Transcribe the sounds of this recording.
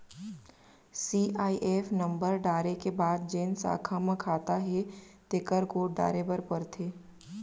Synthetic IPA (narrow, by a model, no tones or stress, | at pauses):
siːʔaːiʔeːfnə̃mbəɾɖaːɾekebaːd̪̚d͡ʒeːnsa̰ːkʰamə̃kʰaːt̪aɦɛt̪ekəɾɡoːɖa̰ːɾebəɾpəɾt̪ʰeː